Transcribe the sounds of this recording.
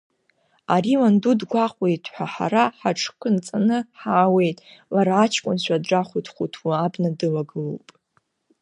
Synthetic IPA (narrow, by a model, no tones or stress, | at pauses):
aɾiwandudɡʷaqʷʼwejtʼħʷaħa̰ɾaħaʈ͡ʂʰkʷʰɨnt͡sʼanɨħaːwe̞jtʼlaɾaːt͡ʃʰkʷʼʊnɕʷadʈ͡ʂaχʷutʰχʷutʰwuabnadɨlaɡɨlowpʼ